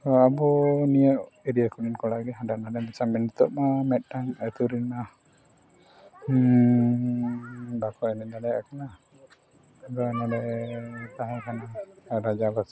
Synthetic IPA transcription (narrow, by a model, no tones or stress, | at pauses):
t̪ɔabɔnijəʔɛɾijakuninkɔlaɡiɦadanalɛmat͡ʃamɛnit̪ɔʔmamɛt̪̚naŋat̪uɾina | bakɔʔɛnɛd̪alɛakana | aɡanalɛt̪aɦɛkanaɾad͡ʒabas